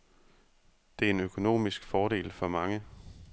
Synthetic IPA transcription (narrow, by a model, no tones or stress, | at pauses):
d̥e̝æɐe̝nøkʰo̝no̝̰ːmisɡ̥fɒːɾe̝̰ːlfɒ̽mɑ̈ŋə